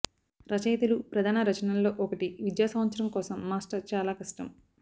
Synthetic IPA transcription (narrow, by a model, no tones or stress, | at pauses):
ɾɐt͡ʃɐjt̪ɐlupɾɐd̪ʱaːnɐɾɐt͡ʃɐnɐllo̞ːʔɔkɐʈiʋid̪jaːsɐmɐt̪sɐɾɐmkɔːsɐmːaːsʈɐɾt͡ʃaːlaːkɐsʈɐm